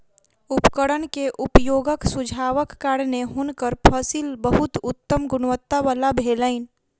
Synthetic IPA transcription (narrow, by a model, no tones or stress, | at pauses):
ʊpkəɽənkeʔʊpjoːɡəksʊd͡ʒʱaːʋəkːaːɽneɦʊnkəɾpʰəsilbəɦʊt̪ʊt̪ːəmɡʊnʋət̪ːaʋaːlabʱeːləɪn